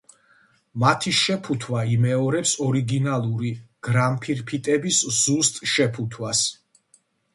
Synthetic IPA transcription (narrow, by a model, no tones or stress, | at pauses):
mat̪ʰiʃɛpʰut̪ʰwaimɛɔɾɛpsɔɾiɡinalˠuɾiɡ̥ɾampʰiɾpʰit̪ʼɛbisz̥ust̪ʼʃɛpʰut̪ʰwas